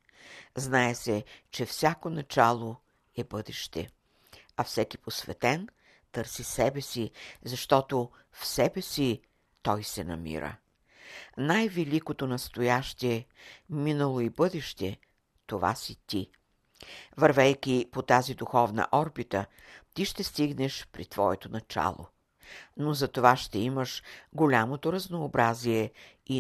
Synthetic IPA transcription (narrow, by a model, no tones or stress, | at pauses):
znaɛsɛt͡ʃɛfsʲakonɐt͡ʃalˠo | ɛbɤd̪ɛʃt̪ɛ̰ | ɐfsɛkiposvɛ̰t̪ɛn | t̪əɾsisɛbɛsizɐʃt̪ɔt̪o | fsɛbɛsi | t̪ɔjsɛnɐ̰mḭɾə̰ | najvɛlikot̪onɐst̪ojaʃt̪iɛminəlˠoibɤd̪ɛʃt̪ɛ | t̪ova̰sit̪i | vɐɾvɛjkʲipot̪azid̪uxɔvnə̰ʔɔɾbit̪ə | t̪iʃt̪ɛst̪iɡnɛʃpɾḭt̪vɔ̰ɛt̪onɐt͡ʃa̰lˠo̰ | nozɐt̪ovaʃt̪ɛiməʃɡolʲamot̪oɾɐznoːbɾaziɛ | i